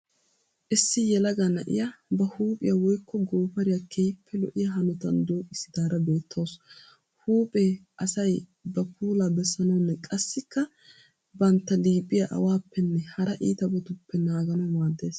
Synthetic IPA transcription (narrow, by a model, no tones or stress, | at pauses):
ʔɪsːɪjɛlɐɡɐnɐʔɪ̰jabɐhuːpʼɪjɐwɔjkːɔɡoːpɐɾɪjɐkʰejpʰːɛlɔʔɪjɐɦɐnʊt̪ɐnd̪oːkʼɪsɪd̪aːɾɐbe̞ːt̪ʰːoːs | huːpʼeːʔɐsɐjbɐpʰuːlabɛsːɐnɐwnːɛkʼɐsːɪkːɐ | bɐnt̪ːɐliːpʼːɪjaʔɐ̰waːpːɛnːɛhɐɾɐʔiːt̪ɐbɔt̪ʊpːɛnaːɡɐnɔmaːd̪ːe̞ːs